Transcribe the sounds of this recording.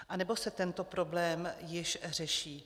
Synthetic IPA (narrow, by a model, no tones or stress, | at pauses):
ʔanɛbo̞sɛt̪ɛnt̪o̞pɾo̞blɛːmjɪʃr̝ɛʃiː